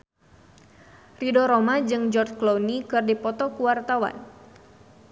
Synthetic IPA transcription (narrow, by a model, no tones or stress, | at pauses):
ridɔɾɔmad͡ʒɨŋd͡ʒɔrt͡ʃklonikɨrdipɔt̪ɔkuwart̪awa̰n